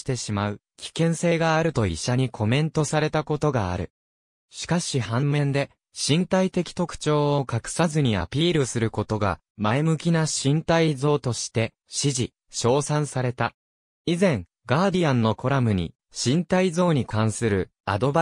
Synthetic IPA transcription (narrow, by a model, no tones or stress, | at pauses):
t̪e̞ɕimaɯ̟ | kʲʰi̥kẽ̞ɰ̃se̞ːɡaːɾɯ̟t̪o̞ḭɕːaɲ̟ikʰo̞mẽ̞nt̪o̞saɾe̞t̪ako̞t̪o̞ɡa̰ːɾɯ̟̰ | ɕi̥kaɕihãmːẽ̞nd̪e̞ | ɕĩnt̪ait̪e̞kʲi̥t̪o̞kɯ̟̥t͡ɕo̞ːokakɯ̟̥sazɨɲ̟ia̰pʲiːɾɯ̟sɨɾɯ̟ko̞t̪o̞ɡa̰ | maemɯ̟kʲinaɕĩnt̪aizo̞ːt̪o̞ɕi̥t̪e̞ | ɕiʑi | ɕo̞ːsãɰ̃saɾe̞t̪a | izẽ̞ŋ | ɡaːd̪ʲiãnːo̞kʰo̞ɾamɯ̟ɲ̟ḭ | ɕĩnt̪aizo̞ːɲ̟ikãɰ̃sɨɾɯ̟ | a̰d̪o̞ba